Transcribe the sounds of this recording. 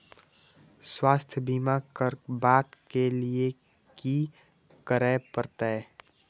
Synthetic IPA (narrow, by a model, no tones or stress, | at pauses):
swaːst̪ʰbimakəɾbaːkkːelie | ki | kəɾəːpəɾt̪aɛ